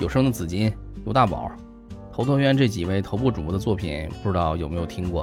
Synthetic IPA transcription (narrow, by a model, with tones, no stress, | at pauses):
jo˨˩ʊʂɤ˥ŋd̪ə˨t͡sɹ̩˨˩t͡ɕi˥n | jo˨˧ʊt̪a˥˩pɑ̰˨˩˦ | t̪ʰo˧˥ʊt̪ʰwɔ˥ɥɛ˧˥nʈ͡ʂɤ˥˩t͡ɕi˨˩we˥˩ɪt̪ʰo˧˥ʊpu˥˩ʈ͡ʂu˨˩pu˥d̪ə˧t͡swɔ˥˩pʰḭ˨˩˦npu˥˩ʈ͡ʂɻ̩˧˥t̪ɑ˥˩ʊjo˨˩ʊme˥ɪo˨˩t̪ʰi˥ŋkwɔ˥˩